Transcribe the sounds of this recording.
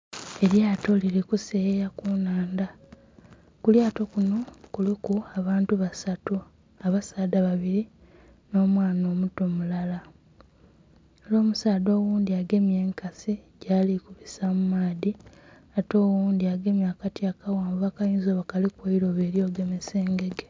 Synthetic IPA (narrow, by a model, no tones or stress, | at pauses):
e̞ɾjaːto̞liɾikusejakunaːnda | kuljaːto̞kuno̞kulikuaβaːntuβasatu | aβasaːdaβaβiɾi | no̞ːmwaːno̞ːmuto̞mulala | elo̞ːmusaːdo̞ːwuːnd̪iaɡe̞mje̞ːŋkasiɟaːlikuβisamumaːði | ato̞ːwuːnd̪iaɡe̞mjakatjakawaːmbβakajiːnzoːβakalikweiɾo̞βe̞ːɾjo̞ːɡe̞meseːŋɡe̞ɡe